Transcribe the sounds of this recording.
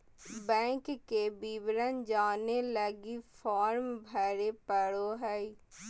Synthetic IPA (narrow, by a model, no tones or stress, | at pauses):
bɛ̃ːŋkkeːbiːʋɾənd͡ʒaːneːləɡiːpʰaːɾmbʱɛːɾeːpəɽoːɦɛiː